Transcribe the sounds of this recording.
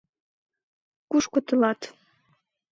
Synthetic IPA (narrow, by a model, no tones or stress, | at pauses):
kuʃkot̪əlɑt̪